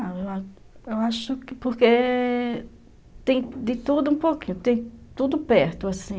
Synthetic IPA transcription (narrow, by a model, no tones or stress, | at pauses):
aewa | ewaʃʊkɪpoɾke | t̪ẽj̃d̪ɪt̪ud̪ʊũpokĩɲʊt̪ẽj̃t̪ud̪ʊpɛɾt̪ʊasĩ